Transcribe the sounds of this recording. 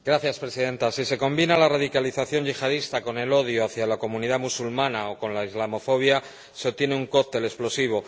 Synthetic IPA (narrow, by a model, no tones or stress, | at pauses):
ɡɾaθjaspɾe̞siðe̞nt̪asise̞ko̞mbinalaraðikaliθaθjo̞ɲʝixaðist̪ako̞ne̞lo̞ð̞joaθjalako̞mũniðamusulmãnao̞ko̞nlaizlamo̞fo̞βja | seo̞t̪je̞neuŋko̞k̚t̪e̞le̞splo̞siβ̞o̞